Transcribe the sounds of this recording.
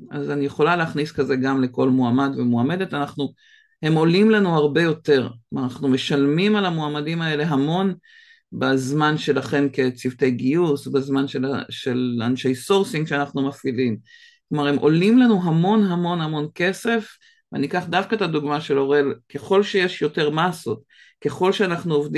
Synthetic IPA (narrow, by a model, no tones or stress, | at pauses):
azanijeχo̞laleːχniskaze̞ɡamle̞ko̞lmuamadvemuame̞de̞tanaχnu | he̞mo̞limlanuhaʁbe̞jo̞te̞ʁmanaχnume̞ʃalmimalamoamadimae̞le̞ɦamo̞n | bazmanʃe̞laχe̞nke̞t͡sivte̞jɡiusbezmanʃelaʃelanʃejsoʁsiŋɡʃeanaχnumafilim | klomaʁe̞mʔo̞̰limlanuɦamo̞nɦamo̞nhamo̞nke̞se̞f | veanikaχdafkaetaduɡmaʃe̞lo̞ʁelke̞χo̞lʃeje̞ʃjo̞te̞ʁmaːso̞t | ke̞χo̞lʃeanaχnuovd